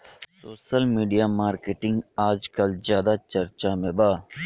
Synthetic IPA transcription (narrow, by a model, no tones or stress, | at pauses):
soːʃəlmiːɖijamaːɾkeːʈɪ̃ŋɡaːd͡ʒkɐlzjaːd̪at͡ʃɐɾt͡ʃamẽbaː